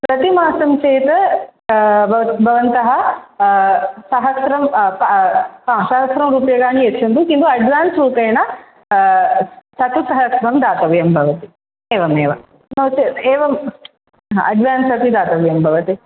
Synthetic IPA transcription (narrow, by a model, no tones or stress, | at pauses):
pɾɐt̪imaːsɐmt͡ʃeːt̪ɐ | bɐbʱɐʋɐnt̪ɐɦɐ | sɐɦɐsɾɐm | ɦãːsɐɦɐsɾɐmɾuːpjɐɡaːɳiet͡ʃːʰɐnd̪ukind̪uɐɖʋaːnsɾuːpɐjɐnɐ | sɐt̪usɐɦɐsɾɐmd̪aːt̪ɐʋjɐmbʱɐʋɐt̪i | eːʋɐmeːʋɐm | noːt͡ʃieːʋɐm | aɐɖʋaːnsɐt̪id̪aːt̪ɐʋjɐmbʱɐʋɐt̪i